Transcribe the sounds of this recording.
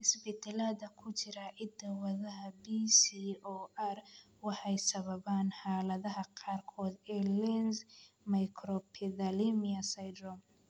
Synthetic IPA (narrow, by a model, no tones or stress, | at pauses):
ʔɪsbɛt̪ʰɛlad̪ɐkʰʊt͡ʃɪɾɐʔɪd̪ɐwɐðɐɦɐbisiɔːʔɐr | wɑħɑjsɐβɐβaːnħɑːlɐðɐɦɐqɑːrkʰɔːd̪ɛlɛns | mɐjkʰɾɔpʰɪðɐlimɪɐsɐjd̪ɾɔm